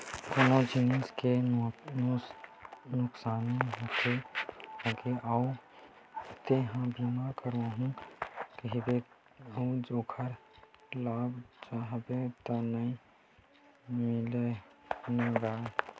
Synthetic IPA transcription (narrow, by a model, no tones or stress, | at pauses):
konod͡ʒiniske | nʊksaːniɦot̪ʰe | əɡeʔau | t̪eɦãbimaɾkəɾaɦũkəɦibe | ud͡ʒoːkʰəɾlaːbd͡ʒaɦbet̪ɔnəĩ | mɪlenẽɡaːe